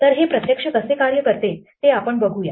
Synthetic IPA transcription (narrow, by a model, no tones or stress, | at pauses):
t̪əɾɦepɾət̪jəkʂəkəsekaɾjəkəɾt̪et̪eapəɳbəɡʱuja